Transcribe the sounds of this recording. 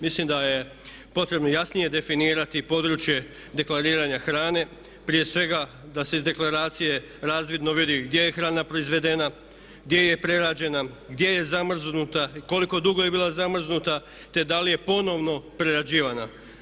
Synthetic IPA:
mislimd̪aje̞ | po̞t̪ɾe̞bno̞jasnije̞d̪e̞finiːɾat̪ipo̞d̪ɾut͡ʃje̞ | d̪e̞klˠaɾiːɾaɲaxɾaːne̞ | pɾije̞sʋe̞ɡa | d̪ase̞izd̪e̞klˠaɾaːt̪sije̞ | ɾaːzʋid̪no̞ʋid̪iɡd̪je̞jexɾaːnapɾo̞izʋe̞d̪e̞na | ɡd̪je̞je̞pɾe̞ɾad͡ʑe̞na | ɡd̪je̞je̞zamr̩znut̪ako̞liko̞d̪uɡo̞je̞biːlˠazamr̩znut̪a | t̪e̞d̪alije̞po̞no̞ʋno̞pɾe̞ɾad͡ʑiːʋana

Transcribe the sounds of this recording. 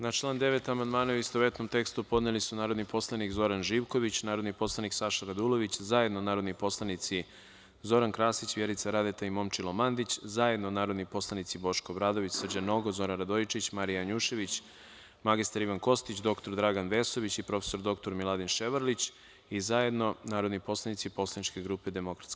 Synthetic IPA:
nat͡ʃlˠaːnd̪e̞ʋe̞t̪amand̪maːnauist̪oʋe̞t̪no̞mt̪e̞kst̪upo̞d̪nelisunaːɾo̞d̪nipo̞slˠanikzo̞ɾanʒiːʋko̞ʋit͡ɕnaːɾod̪nipo̞slˠaniksaʃaɾad̪ulˠo̞ʋit͡ɕzaje̞d̪nonaːɾo̞d̪nipo̞slˠanit̪si | zo̞ɾankɾaːsit͡ɕʋjeɾit̪saɾad̪et̪aimo̞mt͡ʃilˠomand̪it͡ɕzaje̞d̪nonaːɾod̪nipo̞slˠanit̪sibo̞ʃkobɾaːd̪o̞ʋit͡ɕsr̩d͡ʑano̞ɡozo̞ɾanɾad̪oit͡ʃit͡ɕmaɾijaɲuːʃe̞ʋit͡ɕ | maɡist̪aɾiʋanko̞st̪it͡ɕd̪o̞kt̪o̞ɾd̪ɾaɡanʋeso̞ʋit͡ɕipɾo̞fe̥so̞ɾd̪o̞kt̪o̞ɾmilˠad̪inʃeʋaɾlit͡ɕ | izaje̞d̪no̞naːɾo̞d̪nipo̞slˠanit̪sipo̞slˠanit͡ʃke̞ɡɾuːpe̞d̪e̞mokɾḁt̪ske

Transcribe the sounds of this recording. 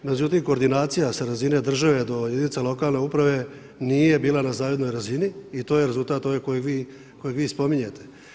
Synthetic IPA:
me̞d͡ʑut̪imko̞ːɾd̪inaːt̪sijasaɾazine̞d̪r̩ʒaʋe̞d̪o̞jed̪init̪elo̞kaːlˠne̞upɾaʋe̞ | nije̞biːlˠanazaːʋe̞d̪no̞jɾaziniit̪o̞ːjeɾe̞zult̪aːt̪o̞ʋekojeɡʋiː | ko̞jeɡʋiːspo̞miɲet̪e̞̥

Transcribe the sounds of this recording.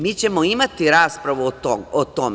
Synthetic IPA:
mit͡ɕe̞moimat̪iɾaːspɾaʋut̪ot̪om

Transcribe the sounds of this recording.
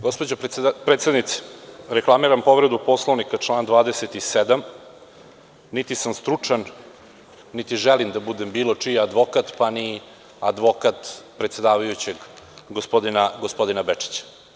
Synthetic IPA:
ɡo̞spod͡ʑopɾet̪sed̪nit̪se̥ɾeklˠamiɾampo̞ʋɾed̪upo̞slˠoʋnikat͡ʂlˠaːnd̪ʋaːd̪eset̪ised̪am | nit̪isamst̪ɾut͡ʂanː | it̪iʒelimd̪abud̪embiːlo̞t͡ʂijead̪ʋo̞kat̪pani | ad̪ʋo̞kat̪pɾet̪se̞d̪aːʋajut͡ɕe̞ɡɡospod̪inaɡospo̞d̪inabet͡ʂi̥t͡ɕḁ

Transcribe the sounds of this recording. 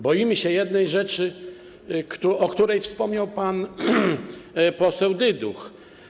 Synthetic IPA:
bɔjimɘɕɛjɛd̪nɛjʐɛt͡ʂɘ | kt̪uɔkt̪uɾɛjfspɔmɲawpan | pɔsɛwd̪ɘd̪ux

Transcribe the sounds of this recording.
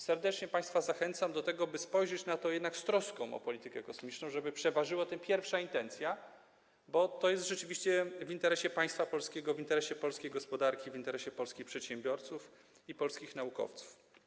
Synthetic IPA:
sɛɾd̪ɛt͡ʂɲɛpaj̃st̪fazaxɛnt̪samd̪ɔt̪ɛɡɔbɘspɔjʐɛt͡ɕnat̪ɔjɛd̪nakst̪ɾɔskɔ̃w̃ɔ̰pɔlʲit̪ɘkɛkɔsmʲit͡ʂnɔ̃w̃ʐɛbɘpʂɛvaʐɘwat̪ɛmpʲjɛɾfʂaint̪ɛnt̪sʲja | bɔt̪ɔjɛst̪ʐɛt͡ʂɘvʲiɕt͡ɕɛvint̪ɛɾɛɕɛpaj̃st̪fapɔlskʲɛɡɔvint̪ɛɾɛɕɛpɔlskʲejɡɔspɔd̪aɾkʲivint̪ɛɾɛɕɛpɔlskʲixpʂɛt̪ɕɛmbʲjɔɾt̪suf | ipɔlskʲixnaukɔ̰ft̪su̥f

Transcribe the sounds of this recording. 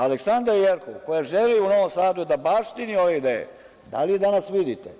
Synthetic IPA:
aleksand̪ɾajeɾkoko̞jaʒeliuno̞ʋomsaːd̪ujed̪abaʂt̪inio̞ʋe̞id̪eːjḛ | d̪a̰lid̪anasʋid̪it̪e

